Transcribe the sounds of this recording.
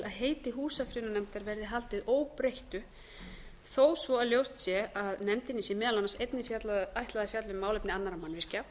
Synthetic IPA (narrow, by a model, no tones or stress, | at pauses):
lʔaðɦeːjt̪ɪɦuːsafɾɪnʏnɛmt̪aɾvɛɾðɪɦalt̪ɪðʔoːwpɾejht̪ʏ | θoːwsvɔaðljowst̪sjɛaðnɛmt̪ɪnːɪsjɛmɛːðalanːasejt̪nɪfjat̪lajht̪laðafjat̪lʏmːaːwlejpnɪanːaɾamanːvɪr̥ca